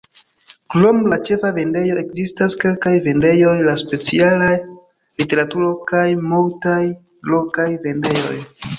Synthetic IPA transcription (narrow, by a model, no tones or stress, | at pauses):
klomlat͡ʃe̞fave̞nde̞jo̞e̞kzistaske̞lkajve̞nde̞jo̞jlaspe̞t͡sialaj | lite̞ɾatuɾo̞kajmultaj | lo̞kajve̞nde̞jo̞̰j